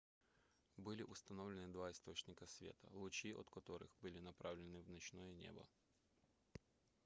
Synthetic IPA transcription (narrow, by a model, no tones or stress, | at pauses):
bɨlʲɪʔʊst̪ɐnovlʲɪnɨd̪vaɪst̪ot͡ɕnʲɪkəsʲvʲḛt̪ə̰lˠʊt͡ɕiʔɔ̰t̪kɐt̪oɾɨ̰xbɨlʲɪnɐpɾavlʲɪnɨvnɐt͡ɕnojɛnʲḛbɐ̰